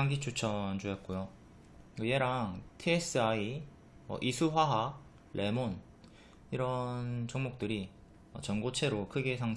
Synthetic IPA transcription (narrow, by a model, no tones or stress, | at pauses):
aŋɡit͡ɕʰut͡ɕʰʌnd͡ʑojʌt̚k͈ojo | kɯje̞ɾaŋtʰies͈ʰɯai | ʌ̰ʔisʰuɸwaɦa | lʔe̞mon | iɾʌnt͡ɕʌŋmok̚t͈ɯɾi | ʌt͡ɕʌnɡot͡ɕʰe̞ɾokʰɯɡesʰaŋ